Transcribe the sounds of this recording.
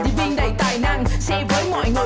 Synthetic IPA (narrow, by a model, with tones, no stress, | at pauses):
i˨˧˦mï˧ŋ̟ɗə˧˩jt̪aː˨˩jnaː˧ŋsɛ˧vəː˨˦jŋwɔ̰˧˨jŋɨ˨˩